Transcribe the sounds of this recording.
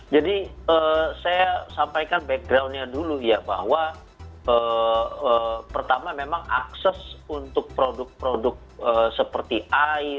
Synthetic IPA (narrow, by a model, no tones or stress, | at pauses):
d͡ʒadiəsajasampajkanbɛk̚ɡɾawnɲadulujaba̰ɦwa | əːəpərt̪amamemaŋa̰ksɛsunt̪ʊk̚pɾodʊk̚pɾodʊk̚əsəpərt̪iaj